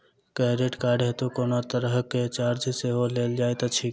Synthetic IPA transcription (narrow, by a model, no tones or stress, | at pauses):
kɛɾeʈkaɖɦet̪ukonot̪əɾəɦket͡ʃaɾd͡ʒseɦoleld͡ʒajt̪ət͡ʃʰi